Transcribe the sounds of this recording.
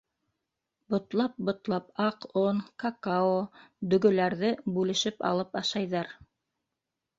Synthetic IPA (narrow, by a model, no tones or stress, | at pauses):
bŏt̪lˠɑp̚bŏt̪lˠɑpɑqonkakaod̪ɵ̆ɡɵ̆læɾðɘbʉlɘ̆ʃɘpɑ̰lˠɤpɑʃɑjðɑɾ